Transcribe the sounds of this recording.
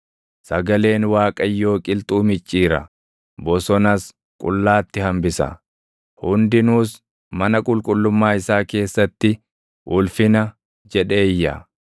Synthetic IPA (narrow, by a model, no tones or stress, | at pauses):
sɐɡɐle̞ːnwaːkʼɐjːo̞ːkʼɪlt̪ʼuːmɪt͡ʃʼːiːɾɐ̰ | bɔsɔnɐs | kʼʊ̰lːaːt̪ːɪhɐmbɪsɐ̰ | hʊnd̪ɪnuːs | mɐnɐkʼʊlkʼʊlːʊmːaːɪsaːke̞ːsːɐt̪ːɪ | ʔʊlfɪnɐ | d͡ʒɛᶑe̞ːjːɐ̰